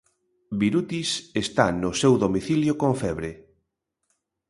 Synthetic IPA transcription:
biɾut̪isest̪anʊsewðomiθiljokoɱfɛβɾe

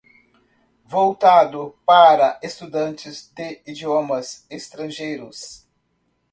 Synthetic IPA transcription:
vowt̪ad̪ʊpaɾɐest̪ud̪ɐ̃nt͡ʃɪzd̪ɪid͡ʒiomɐzest̪ɾɐ̃ʒejɾʊs

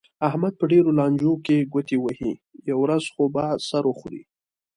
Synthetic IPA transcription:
ahmad̪̚pəɖeɾolɑnd͡ʒokeɡʊt̪iwəhijawɾazxobasaɾoxɾḭ

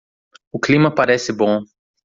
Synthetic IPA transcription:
ʊklimɐpaɾɛsɪbõ

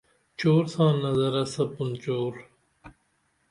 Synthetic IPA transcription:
t͡ɕoːɾsɑ̃ːnːɐzɐɾɐsɐpunt͡ɕoːɾ

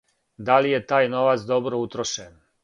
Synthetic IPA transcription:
d̪alijet̪aːjno̞ʋat̪sd̪o̞bɾout̪ɾoʃen

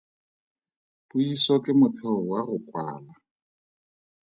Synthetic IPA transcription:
pʊisɔkɪmʊtʰɛɔwaɣʊkʼwa̰ːla

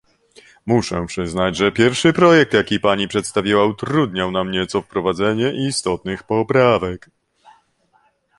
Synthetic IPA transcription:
muʂɛpʂɘznad͡ʑʐɛpʲjɛɾfʂɘpɾɔjɛk̚t̪jakʲipaɲipʂɛt̪st̪avʲiwaut̪ɾud̪ɲawnamɲɛt̪sɔfpɾɔvad̪zɛɲɛʔist̪ɔt̪nɘxpɔpɾavɛk

